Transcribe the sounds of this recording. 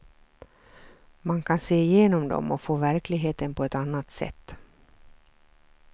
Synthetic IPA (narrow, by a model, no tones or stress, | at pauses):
mankʰanseːɪjeːnɔmd̪ɔ̰mɔfoːvæɾklɪɡɦeːt̪ənpʰɔɛt̪anːat̪sɛ̰t̪ː